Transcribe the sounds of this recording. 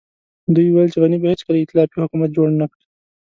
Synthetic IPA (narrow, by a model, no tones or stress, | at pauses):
d̪ujwajəlt͡ʃeɣanibahet͡ʃkad̪əɪt̪ɪlɑpihʊkumat̪̚d͡ʒoɽnakɽi